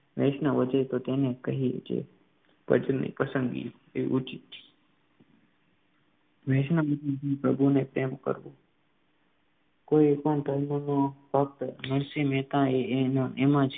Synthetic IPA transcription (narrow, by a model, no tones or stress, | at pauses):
ʋeːʃnəʋəd͡ʒet̪ot̪enekəɦiḛd͡ʒḛ | pə̰d͡ʒənːḭpəsənɡḭ | eʋḭʔut͡ʃit̪i̥ | ʋeʃnəmət̪ənt̪ipɾəbʱunepɾemkə̰ɾʋo | koiekənd̪ʱəɾnonobʱək̚t̪məɳsimeːt̪ãenãʔemãt͡ʃʰ